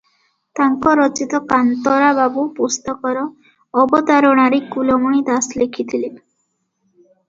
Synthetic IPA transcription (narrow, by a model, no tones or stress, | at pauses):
t̪aŋkɔɾɔt͡ʃit̪ɔkant̪ɔɾababupust̪ɔkɔɾɔː | bɔt̪aɾɔɽ̃aɾikulɔmuɽ̃id̪aslekʰit̪ʰili